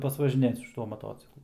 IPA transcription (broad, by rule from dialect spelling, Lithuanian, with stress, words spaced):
pɐsʋɐʒʲɪˈnʲeːt sʊ ʃʲɪˈtuɔ mɐˈtoːt͡sʲɪklˠʊ